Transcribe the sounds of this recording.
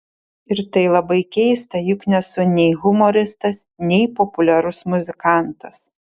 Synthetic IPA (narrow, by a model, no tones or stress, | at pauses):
ɪɾt̪ɐɪlˠɐbɐɪkʲɛɪst̪ɐjʊkʲnʲɛsʊnʲɛɪɣʊmɔɾʲɪst̪ɐs | nʲɛɪpopʊlʲɛɾʊsmʊzʲɪkɑˑnt̪ɐs